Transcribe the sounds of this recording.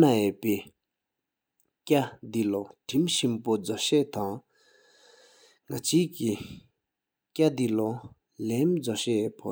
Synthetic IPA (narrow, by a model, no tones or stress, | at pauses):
najøʔpeː | kad̪iloʈ͡ʂʰimɕimpod͡zɔɕɛʔt̪aŋ | ŋat͡ɕiːki | kad̪ilo | lɛmd͡zɔɕɛʔpʰo̰